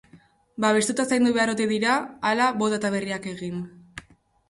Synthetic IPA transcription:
baβe̞st̪ut̪asajnd̪uβe̞aɾo̞t̪e̞ðiɾaːlaβo̞t̪at̪aβ̞e̞riake̞ɣ̞in

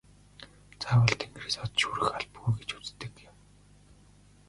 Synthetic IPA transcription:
t͡sʰaːwə̆ɮt̪ʰeŋɡrisɔt̪ʃuɾɘ̆xaɮpɣujɡet͡ɕu̥t͡st̪ɘ̆kjɪm

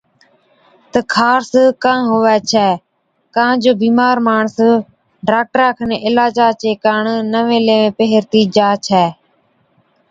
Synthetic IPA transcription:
t̪əkʰaːɾskãːɦʊʋɛːt͡ʃʰɛː | kãːd͡ʒoːbiːmaːɾmaːɳs | ɖaːk̚ʈəɾaːkʰəneːɪlaːd͡ʒaːt͡ʃeːkaːɳnəʋẽːleːʋẽːpəɦɪɾt̪iːd͡ʒaːt͡ʃʰɛː

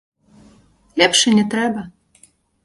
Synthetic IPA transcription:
lʲɛpʂɛnʲɛt̪ɾɛbɐ

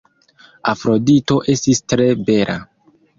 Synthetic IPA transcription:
afɾo̞dito̞ʔe̞stistɾe̞be̞ɾʔa̰

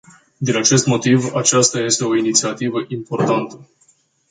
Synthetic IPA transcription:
d̪inat͡ʃe̞st̪mo̞t̪ivat͡ʃast̪aje̞st̪e̞o̞init̪siat̪ivəʔimpo̞rt̪ant̪ə̥

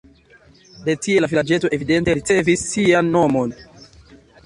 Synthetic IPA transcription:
de̞tie̞lavilad͡ʒe̞toʔe̞vide̞nte̞ɾit͡se̞visːianːo̞mo̞n

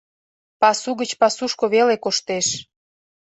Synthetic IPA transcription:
pɑsuɣət͡ɕpɑsuʃkoβelekoʃt̪eʃ

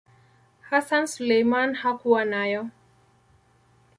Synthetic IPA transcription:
hasansulejmanhakuwanajɔ

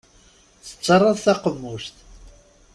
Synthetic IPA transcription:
θə̥t͡sːɑrˤɑðθɑqəmːust̪

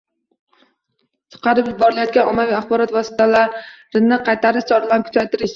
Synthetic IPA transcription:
t͡ʃʰɨ̥qɑɾɪpjɪbɒɾɪlajɒt̪̚kʲanʔɒmːavijaχbɒɾɒt̪vɒsɪ̥t̪ʰalaɾɾɪnnɪqʰɑjt̪ʰaɾɪʃt͡ʃʰɒɾalankʰʊ̥t͡ʃʰajt̪ɪɾɪʃ

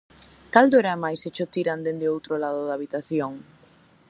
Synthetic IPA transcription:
kald̪oeɾamajset͡ʃot̪iɾand̪end̪ɪowt̪ɾolaðoʊðaβit̪aθjoŋ

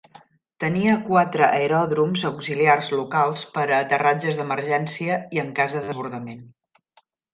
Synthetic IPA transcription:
t̪əniəkwat̪ɾəʔəeɾɔðɾumzəwkziliarzlukalˠspəɾəːt̪ərad͡ʒəzðəməɾʒɛnsiəiəŋkazðəðəzβuɾðəmen

